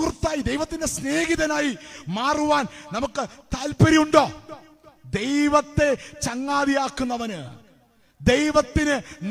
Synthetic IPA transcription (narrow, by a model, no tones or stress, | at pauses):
krt̪ːaːjid̪ejʋɐt̪ːinde̞sne̞ːɣiðɐnaːjimaːruʋaːnnɐmukːɨt̪aːlpɐɾijuɳɖoː | d̪ejʋɐt̪ːe̞t͡ɕɐŋːaːðijaːkːunːɐʋɐnɨ | d̪e̞jʋɐt̪ːinɨn